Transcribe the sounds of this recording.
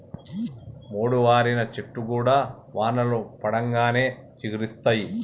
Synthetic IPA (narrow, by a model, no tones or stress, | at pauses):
moːɽuʋaːɾinɐt͡ʃeʈːukuːɽaː | ʋaːnɐlupɐɽɐŋɡaːne̞ːt͡ʃiɡiɾist̪aːji